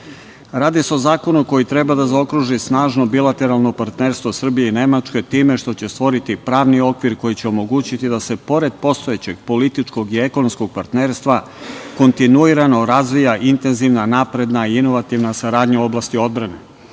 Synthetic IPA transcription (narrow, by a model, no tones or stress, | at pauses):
ɾaːd̪iseo̞zaːko̞nuko̞jit̪ɾe̞bad̪azao̞kɾuʒisnaːʒno̞bilˠat̪e̞ɾalˠno̞paɾt̪ne̞ːɾst̪vʋo̞sr̩bijeine̞mat͡ʃke̞t̪iːme̞ʃt̪o̞t͡ɕe̞st̪ʋo̞ɾit̪ipɾaːʋnio̞kʋiɾko̞jit͡ɕeo̞mo̞ɡuːt͡ɕit̪id̪ase̞po̞ɾe̞d̪̚po̞st̪o̞et͡ɕe̞ɡ̚po̞lit̪it͡ʃko̞ɡieko̞nomsko̞ɡ̚paɾt̪ne̞ːɾst̪ʋa | ko̞nt̪inuiɾano̞ɾazʋijaʔint̪e̞nziʋnanaːpɾe̞d̪naiino̞ʋat̪iʋnasaɾaːd̪ɲao̞blaːst̪io̞d̪̚bɾane̞